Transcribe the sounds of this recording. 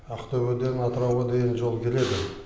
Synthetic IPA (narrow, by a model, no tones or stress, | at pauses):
ɑqt̪ɵβød̪e̞nɑt̪əɾɑwʁɑd̪e̞jʲɪnʒo̞lˠkʲʰe̞le̞d̪ɪ